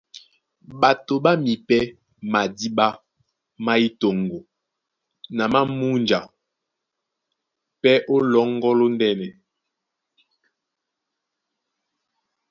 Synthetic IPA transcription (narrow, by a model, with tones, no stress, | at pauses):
ba˨to˨ɓa˦mi˨pɛ˦ | ma˨di˦ba˦ | ma˦i˦to˨ŋ˨ɡo˨ | na˨ma˦mu˦nd͡ʒa̰˨ | pɛ˦ʔo˦lɔ˨˦ŋ˦ɡɔ˦lo˦ndɛ˦nɛ˨